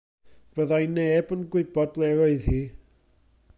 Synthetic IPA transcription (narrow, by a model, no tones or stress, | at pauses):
vəðajneːbənɡwɪbɔdlˠɛəɨðhiː